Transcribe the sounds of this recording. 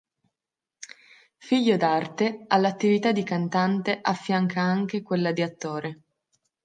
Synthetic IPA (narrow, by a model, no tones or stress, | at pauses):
fiʎːod̪art̪ealːat̪ːivit̪ad̪ikant̪ant̪eʔafːjaŋkʰaaŋk̟ekwelːad̪iat̪ːoːɾe